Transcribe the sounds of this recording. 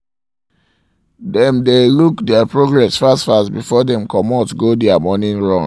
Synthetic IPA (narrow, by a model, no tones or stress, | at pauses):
dɛ̃mdelukdɛapɹoɡɹɛsfastfastbifɔdɛ̃mkɔmɔtɡodɛamɔnĩnɹɔ̃ŋ